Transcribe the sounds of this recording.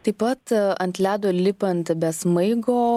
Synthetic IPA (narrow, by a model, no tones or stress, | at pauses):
t̪ɐɪpːɐt̪ɐnʲt̪ʲlʲæːd̪oːlʲɪpɐnt̪bʲɛsmɐɪɡoː